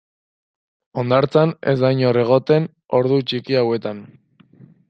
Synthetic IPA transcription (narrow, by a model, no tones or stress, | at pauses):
o̞nd̪aɾt͡sane̞̰zd̪ajɲo̞re̞ɣ̞o̞t̪e̞n | o̞ɾðut͡ʃikiawe̞t̪an